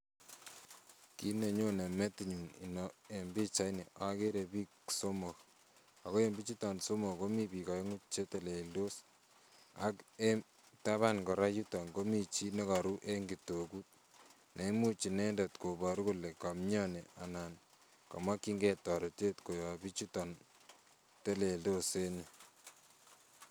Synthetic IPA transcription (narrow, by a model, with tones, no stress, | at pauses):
ki˦ne˨ɲo˦ne˨me˦ti˨ɲu˨ni˨nɔe˨mbi˦t͡ʃa˦inḛʔa˦ke˦ɾe˨bi˦kso˦mo˨k | a˨ko˦embi˦t͡ʃi˦ta˨nso˦mo˨ko˦mi˦bi˨ka˨e˦ŋu˦t͡ʃe˦te˨le˨lo˦s | a̰˦ke˦m | ta˦βa˦nkɔ˨ɾa˦ju˦tɔ˨ŋko˦mi˦t͡ʃi˦ne˦ka˨ɾu˦ʔe˦ŋɡi˨toku˦t̚ | ne˨mu˦t͡ʃi˨ne˦nda˨tko˨bɔ˨ɾu˦ku˦le˨ka˨mɲɔ˦ne˨a˨na˨n | ka̰˨ma˦ki˦ŋɡe˦tɔ˨ɾɔ˨t͡ʃe˦tko˨jɔ˨bi˦t͡ʃu˦tɔ˨n | te˦le˨ldo˦se˦ni˨